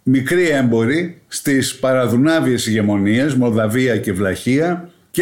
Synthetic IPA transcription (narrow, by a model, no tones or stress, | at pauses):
mikɾie̞mbo̞ɾist̪ispɐɾɐðunɐvie̞siʝe̞mo̞nie̞zmo̞ðɐviɐce̞vlɐçiɐ | c